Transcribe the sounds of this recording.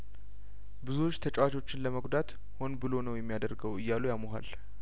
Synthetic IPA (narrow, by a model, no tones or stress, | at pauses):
bɨzuot͡ʃːt̪ʰət͡ʃʼwat͡ʃo̞t͡ʃːɪnləməɡʷd̪at̪ | ho̞nbɨlo̞nəwjɛmːijad̪əɾɡəwɨjːalujamoɦa̰l